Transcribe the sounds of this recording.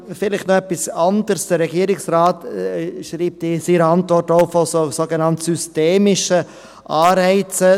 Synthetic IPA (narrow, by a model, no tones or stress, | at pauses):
fɪlɪχtnoɛpisɑndəɾsd̥əɾːɛɡiːəɾɪksraːtʃɾiːp̚tisiɾəɑntvɔrtoʊfososoɡənɑntsysteːmɪʃə | ʔɑːɾɛɪt͡sə